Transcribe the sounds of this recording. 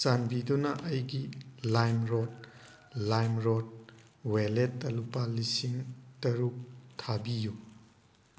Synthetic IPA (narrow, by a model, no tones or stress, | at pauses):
t͡ʃanbidunɐʔɐjɡilajmɾot̚ | lajmɾot̚ | weletːɐlupalisiŋtɐɾuk̚tʰabiju